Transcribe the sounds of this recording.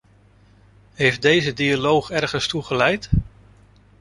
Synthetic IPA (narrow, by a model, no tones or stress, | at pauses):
ɦejfdejzədialowχɛɹχənstuχəlɛjt